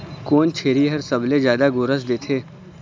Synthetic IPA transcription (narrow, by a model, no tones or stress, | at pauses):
koːnt͡ʃʰeːɾiɦɐɾsɐbled͡ʒjaːd̪aɡʊːɾəsd̪eːt̪ʰeː